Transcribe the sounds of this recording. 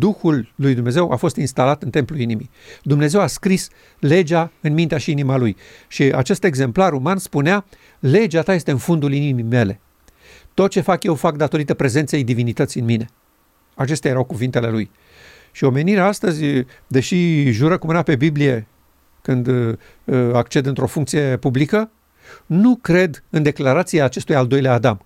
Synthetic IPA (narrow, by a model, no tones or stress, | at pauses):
d̪uxulːujd̪umneze̞wʔa̰fo̞st̪inst̪alat̪ɨnt̪e̞mpluinimi | d̪umne̞zewaskɾis | le̞d͡ʒaɨnmint̪eaʃiinimaluj | ʃia̰t͡ʃe̞st̪e̞ɡze̞mplaɾumanspunea | le̞d͡ʒat̪aje̞st̪eɨnfond̪ulinimime̞le̞ | t̪o̞t̪̚t͡ʃe̞fakje̞wfak̚d̪at̪o̞ɾit̪əpɾe̞zent̪se̞jd̪ivinit̪ət̪sijɨnmine̞ | at͡ʃe̞st̪eajɾawkuvint̪e̞le̞luj | ʃio̞me̞niɾeaast̪əzʲ | d̪e̞ʃiʒuɾəkumɨnape̞biblije̞ | kɨnd̪ | akt͡ʃe̞d̪ɨnt̪ɾo̞fuŋk̚t̪sije̞publikə | nukɾe̞d̪ɨnd̪e̞klaɾat̪siaːt͡ʃe̞st̪ujald̪o̞jleaːd̪am